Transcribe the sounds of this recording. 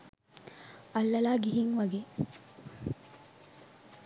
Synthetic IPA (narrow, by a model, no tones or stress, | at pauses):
ɐlːɐlaːɡiɦiŋʋɐɡeː